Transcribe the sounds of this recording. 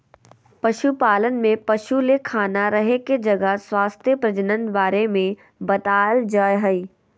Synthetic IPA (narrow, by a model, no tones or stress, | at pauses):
pɐʃupaːlənmẽpɐʃulekʰaːnaɾɐɦeked͡ʒɐɡəswaːst̪ʰjəpɾɐd͡ʒənə̃nd̪baːɾemẽ | bɐt̪aːld͡ʒaːeɦəiː